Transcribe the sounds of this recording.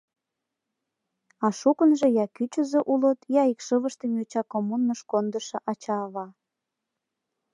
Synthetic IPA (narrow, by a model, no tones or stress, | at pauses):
ɑʃukənʒĕjɑkyt͡ɕəzeʔulə̆t̪jɑikʃəβəʃt̪emjot͡ɕɑkomunːəʃkond̪əʃɤ̆ʔɑt͡ɕɑβɑ